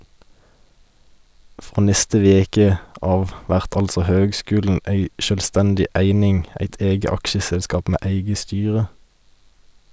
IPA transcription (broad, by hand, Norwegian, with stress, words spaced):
ˈfʁoː ˈnɛstə ˈʋeːkə ˈɑːʋ ˈʋæʁt ˈɑlsɔ ˈhøːɡˌskʉːln̩ ˈeɪ ʃœlˈstɛndɪ ˈʔæɪnɪŋ ˈæɪt ˈeːɡə ˈɑkʃəsɛlˌskɑːp ˈmeː ˈæɪɡə ˈstyːʁə